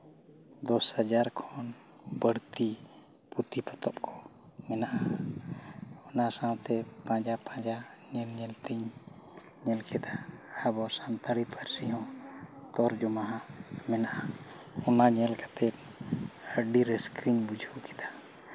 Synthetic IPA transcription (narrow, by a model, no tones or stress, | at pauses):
d̪ɔshad͡ʒaɾkʰɔn | bəɽt̪i | put̪ipɔt̪ɔp̚kʰɔ̥ | mɛnaʔa | ɔnasãwt̪ɛpãd͡ʒapãd͡ʒaɲɛlɲɛlt̪iɲ | ɲɛlkʰɛd̪aəbɔsãmt̪əɽipʰəɾsiɦɔ̃t̪ɔɾd͡ʒɔmaɦãmɛnaʔa | ɔnaɲɛlkḁt̪ɛp̚ | əɖiɾɛskɾiɲbud͡ʒʱukɛ̥d̪a